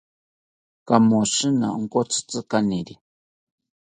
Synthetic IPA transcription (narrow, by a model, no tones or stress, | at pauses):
kamoʃɨna̰ŋkot͡sɨ̥t͡sɨkaniɾi